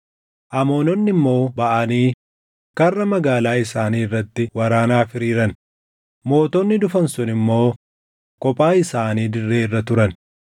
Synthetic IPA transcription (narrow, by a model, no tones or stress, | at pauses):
ʔɐmoːnɔnːɪmːo̞ːbɐʔɐniː | kɐrːɐmɐɡaːlaːɪsaːniːrːɐt̪ːɪwɐɾaːnaːfɪɾiːɾɐn | mo̞ːt̪ɔnːɪd̪ʊfɐnsʊnɪmːo̞ː | kɔpʼːaːɪsaːniːd̪ɪrːe̞ːɪrːɐt̪ʊɾɐn